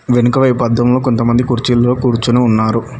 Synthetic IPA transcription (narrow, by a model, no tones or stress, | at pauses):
ʋenukɐʋɐjpɐd̪ːɐmlo̞ːkont̪ɐmɐnd̪ikuɾt͡ʃilːoːkuːɾt͡ʃunuunːaːɾu